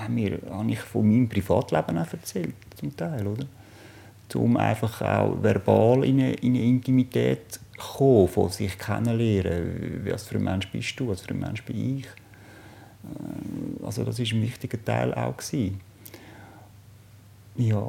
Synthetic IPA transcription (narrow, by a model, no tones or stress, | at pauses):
hamiːɾhɑnɪχfomiːmpɾifɑːtlæb̥ənafɛɾt͡sɛlt̚t͡sʊmt̪aɪlod̪əɾ | t͡sʊ̰mʔa̰ɪfɑχa̰ʊvɛɾbɑːlɪnəʔinəɪntimitɛːtχoːfosɪχkʰɛ̰nːəlɛːɾəvɑsfyɾəmanʃb̥ɪʃd̥uːɑsfyɾəmʔɛ̰nʃb̥ɪiχ | ɑ̰lsodɑs̬ɪʃ̬ənvɪχtɪɡ̥ətaɪlʔa̰ʊksiː | jɑː